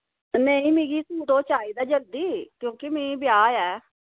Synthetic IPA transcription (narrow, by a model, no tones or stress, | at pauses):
nəĩːmĩːɡiːsuːʈõːt͡ʃaːiːd̪aːd͡ʒəld̪iːkjõːkemẽbɪjaːɛː